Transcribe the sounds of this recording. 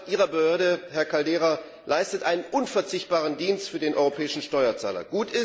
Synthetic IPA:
ʔiːʁ̞ɐbəhøːɐɾəhɛɐkaldeːʁa | laɪstətʔaɪnənʔʊnfɛɐt͡sɪçt̚b̥aːʁ̞əndiːnstfyːɐdeːnʔɔʏʁopʰɛːɪʃn̩ʃtɔʏɐt͡sa̰ːlɐ̰ɡ̥uːtɪs

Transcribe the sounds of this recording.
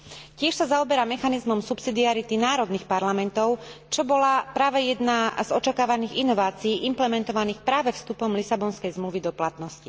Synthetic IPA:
cɪɛʃsazaɔbɛɾamɛxanizmɔmsupsid̪iaɾit̪inaːɾɔd̪niːxpaɾlamɛnt̪ɔʊt͡ʃɔbɔlapɾaːʋɛjɛd̪nazɔt͡ʃakaːʋaniːɣinɔʋaːt͡siːʔimplɛmɛnt̪ɔʋaniːxpɾaːʋɛfst̪upɔmlisabɔnskɛjzmluʋid̪ɔplat̪nɔsci

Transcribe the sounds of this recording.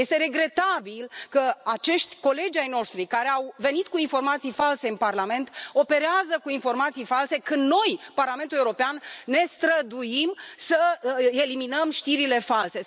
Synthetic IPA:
jest̪e̞ɾe̞ɡɾe̞t̪abilkəat͡ʃe̞ʃt̪ʲko̞le̞d͡ʒajno̞ʃt̪ɾikaɾeawve̞nit̪̚kuinfo̞rmat̪sijfalse̞ɨnparlame̞nt̪o̞pe̞ɾeazəkuinfo̞rmat̪sijfalse̞kɨnd̪no̞jparlame̞nt̪uleuɾo̞peanːe̞st̪ɾəd̪ujimsəe̞liminəmʃt̪iɾile̞false̞

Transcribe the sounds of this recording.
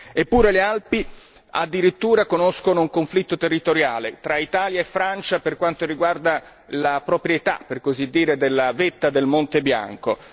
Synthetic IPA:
epːuːɾelealpi | a̰d̪ːiɾit̪ːuːɾakonoskonouŋkoɱflit̪ːot̪erːit̪oɾjaːlet̪ɾait̪aːljaefːɾant͡ʃaperkwant̪oriɡward̪a | lapɾopɾjet̪a̰pːerkozid̪ːiːɾed̪elːavet̪ːad̪elmont̪ebja̰ŋko

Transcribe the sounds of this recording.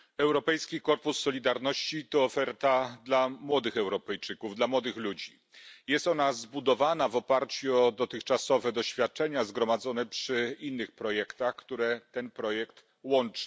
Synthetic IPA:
ɛwɾɔpɛjskʲikɔɾpusːɔlʲid̪aɾnɔɕt͡ɕit̪ɔːfɛɾt̪ad̪lamwɔd̪ɘxɛwɾɔpɛjt͡ʂɘkuvd̪lamwɔd̪ɘxlud͡ʑi | jɛst̪ɔnazbud̪ɔvanavɔpaɾt͡ɕuɔd̪ɔt̪ɘxt͡ʂasɔvɛd̪ɔɕfʲjat̪̚t͡ʂɛɲazɡɾɔmad̪zɔnɛpʂɘinːɘxpɾɔjɛkt̪axkt̪uɾɛt̪ɛnpɾɔjɛkt̪ | wɔnt͡ʂ

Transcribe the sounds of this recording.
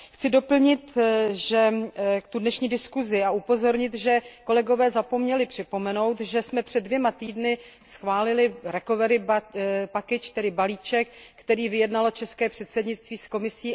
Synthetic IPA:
xt͡sɪdo̞pl̩ɲɪt̪ʒɛt̪udnɛʃɲiːdɪskuzɪaʔupo̞zo̞ɾɲɪt̪ʒɛko̞lɛɡo̞vɛːzapo̞mɲɛlɪpr̥ɪpo̞mɛno̞wt̪ʒɛsmɛpr̝̥ɛd̚vjɛmat̪iːdnɪ | sxvaːlɪlɪɾɛko̞vɛɾɪpakɪt͡ʃt̪ɛdɪbaliːt͡ʃɛkːt̪ɛɾiːvɪjɛdnalot͡ʃɛskɛːpr̥ɛt̪sɛdɲɪt͡st̪viːsko̞mɪsiː

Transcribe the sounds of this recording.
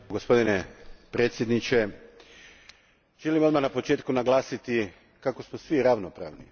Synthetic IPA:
ɡospo̞d̪inepɾe̞ːt̪sjed̪nit͡ʃe̞ | ʒelimo̞d̪manapo̞t͡ʃe̞ːt̪kunaɡlˠaːsit̪i | kako̞smosʋiɾaʋnopɾa̰ːʋni

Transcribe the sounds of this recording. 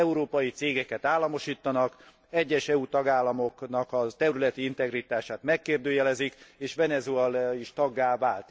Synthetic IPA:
ɛuɾoːpɒjit̪seːɡɛkɛt̪aːlːɒmo̞ʃiːt̪ːɒnɒk | ɛɟːɛʃɛut̪ɒɡaːlːɒmo̞knɒkɒt̪ɛɾylɛt̪iint̪ɛɡrit̪aːʃaːt̪mɛkːeːrd̪øːjɛlɛzikeːʃʋɛnɛzuɛliʃt̪ɒɡːaːvaːlt̪

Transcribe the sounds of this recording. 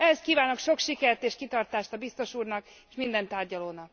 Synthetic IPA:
ɛhɛst̪̚kiːvaːnokʃo̞kʃikɛrt̪eːʃkit̪ɒrt̪aːʃt̪ɒbist̪o̞ʃuːrnɒk | eːʃmind̪ɛnt̪aːrɟɒloːnɒk̚

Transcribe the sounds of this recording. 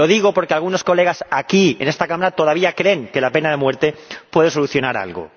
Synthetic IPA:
o̞ðiɣ̞o̞po̞ɾke̞alɣ̞uno̞sko̞le̞ɣ̞asakiḛnest̪akamaɾat̪o̞ðaβiakɾe̞ŋke̞lape̞naðe̞mwe̞ɾt̪e̞pwe̞ðeso̞luθjonaɾa̰lɣo̰

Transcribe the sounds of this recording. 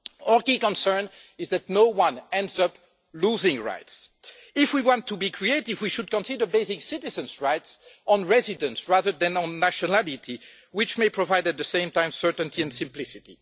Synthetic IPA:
ɔɹkikɔ̃nsɜ̃˞n | ɪzðætnoʊwʌ̃nɛ̃ndzʌp | luzɪ̃ŋɹa̰ɪts | ɪfwiwɑ̃ntʰːubikʰɹieɪtivwiʃud̚kɔ̃nsidə˞beɪsɪksɪtɪzə̃nzɹaɪtsʔɔ̃nɹɛzɪdə̃nsɹaðə˞ðɛ̃nɔ̃nːaʃɔnalɪtʰi | wɪt͡ʃmeɪpʰɹɔvajdæt̪̚ðəsẽɪ̃mtãɪ̃msɜ˞tə̃ntʰiɛ̃nsɪ̃mplɪsɪtḭ

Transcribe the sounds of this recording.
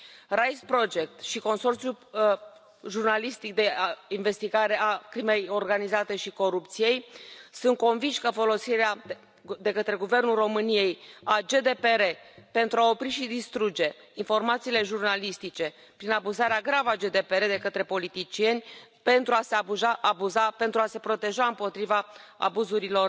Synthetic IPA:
rajspɾo̞d͡ʒe̞k̚t̪ʃiko̞nso̞rt̪sju | ʒurnalist̪ik̚d̪e̞inve̞st̪iɡaɾe̞akɾime̞jo̞rɡanizat̪e̞ʃiko̞ɾupt̪sije̞jsunt̪̚ko̞nvinʃʲkəfo̞lo̞siɾea | d̪e̞kət̪ɾe̞ɡuve̞rnulro̞mɨnije̞jad͡ʒe̞d̪e̞pe̞ɾe̞pe̞nt̪ɾuao̞pɾiʃid̪ist̪ɾud͡ʒe̞ | info̞rmat̪siːle̞ʒurnalist̪it͡ʃe̞ | pɾinabuzaɾeaɡɾavəad͡ʒe̞d̪e̞pe̞ɾe̞d̪e̞kət̪ɾe̞po̞lit̪it͡ʃie̞nʲ | pe̞nt̪ɾuaseuʒaʔabuzape̞nt̪ɾuase̞pɾo̞t̪e̞ʒaɨmpo̞t̪ɾivaa̰buzuɾilo̞r

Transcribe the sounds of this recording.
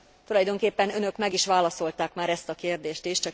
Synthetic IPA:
t̪ulɒjd̪o̞ŋkeːpːɛnønø̞kmɛɡiʃʋaːlɒso̞lt̪aːkmaːɾɛst̪ɒkeːrd̪eːʃt̪iʃt͡ʃɒ

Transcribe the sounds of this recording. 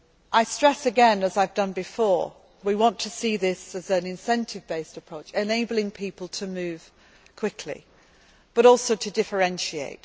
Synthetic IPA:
ʔaɪstɹ̥ɛsɨɡɛ̃nəzaɪvdʌ̃nbɨfɔɹ | wiwɑ̃ntʰəsiðɪsəzɨ̃nɪ̃nsɛ̃ntʰɨvbeɪstəpʰɹ̥oʊt͡ʃɨneɪbl̩ˠɪ̃ŋpʰiˑpəlˠtʰəmʉːv̥ | kʰw̥ɪkʰlḭ | b̥ʌɾɔˑlˠsoʊtʰɨdɪfə˞ɛ̃nʃiḛɪt

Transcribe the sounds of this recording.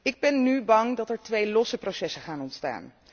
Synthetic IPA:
ɪɡ̚bɛnːybɑŋdɑtɛɹtʋejlɔsəprowsɛsəχaːnɔntsta̰ːn

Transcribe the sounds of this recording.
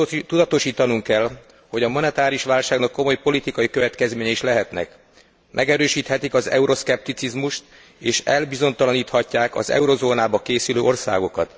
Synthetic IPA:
t̪ud̪ɒt̪o̞ʃiːt̪ɒnuŋkːɛl | ho̞ɟɒmonɛt̪aːɾiuʃʋaːlʃaːɡnɒkːo̞mo̞jpo̞lit̪ikɒjikø̞vɛt̪kɛzmeːɲɛiʃlɛɦɛt̪nɛ̰k | mʔɛ̰ɡɛɾøːʃiːt̪hɛt̪ikɒzɛ̰uɾʔo̞skɛp̚t̪it̪sizmuʃt̪ | eːʃɛlbizo̞nt̪ɒlɒniːt̪hɒcːaːkɒ̰zɛ̰uɾo̞zoːnaːbɒkeːsyløːʔo̞rsa̰ːɡo̞kɒt̪

